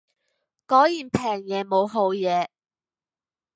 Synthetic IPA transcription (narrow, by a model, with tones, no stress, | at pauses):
kɔː˨˥jjiː˨˩npʰɛː˨˩ŋjɛː˨˧mo˨˧wɦo˨˥wjɛː˨˧